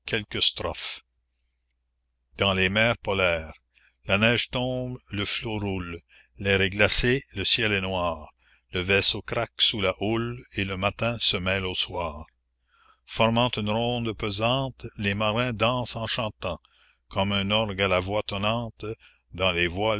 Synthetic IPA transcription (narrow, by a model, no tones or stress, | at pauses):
kʰʲɛlkəst̪ɾɔf | d̪̥ɑ̃lemɛːʁpɔlɛːʁ | lanɛːʒt̪ɔ̃ːbləfloɾul | lɛːʁɛɡlaseləsjɛlɛnwaːʁ | ləvɛsokɾaksulaʔuleləmat̪ɛ̃səmɛloswaːʁ | fɔʁmɑ̃t̪ynɾɔ̃ːd̪pøzɑ̃ːt̪lemaʁɛ̃d̪ɑ̃sɑ̃ʃɑ̃t̪ɑ̃ | kʰɔmœ̃nɔʁɡalavwat̪ɔnɑ̃ːt̪ | d̪ɑ̃levwa